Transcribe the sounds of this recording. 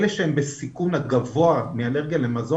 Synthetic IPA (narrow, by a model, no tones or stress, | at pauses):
leʃehembesikunhaɡavo̞amealeʁɡijalemazo